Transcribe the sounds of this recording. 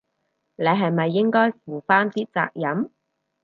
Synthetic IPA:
le˨˧jɦɐ˨jmɐ˨jːɪ˥ŋkɔː˥jfuː˨faː˥nt̪iː˥t͡sa̰ː˧k̚jɐ˨˥m

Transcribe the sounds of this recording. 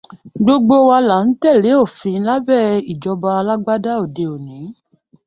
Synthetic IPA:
ɡ͡bo˦ɡ͡bo˦wa˧la˨n̩˦tɛ˦˨le˨˦o˦˨fĩ˧˦la˦bɛ˦˨i˨d͡ʒɔ˧ba˧a˧la˦ɡ͡ba˦da˦o˦˨de˧˨o˨nĩ˨˦

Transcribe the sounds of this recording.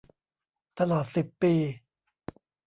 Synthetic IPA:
t̪a˧lɔː˨˩t̪̚si˨˩pːiː˧

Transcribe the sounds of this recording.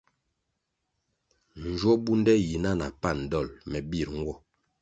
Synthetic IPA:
n̩˨d͡ʒwɔ˦bu˦n˦dɛ˦ji˨na˦na˨pa˦˨n˨dɔ˦˨lmɛ˨bi˦˨ɾŋ˦ɡwɔ˦˨

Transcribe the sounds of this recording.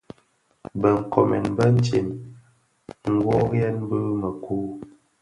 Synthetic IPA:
bə˨ŋ̩˨ko˨mɛ˨nbə˦n̩˦t͡ʃi˨m | ŋ̩˦ɡwɔ˦ɣjɛ˦nbə˦mə˨kʰu˦

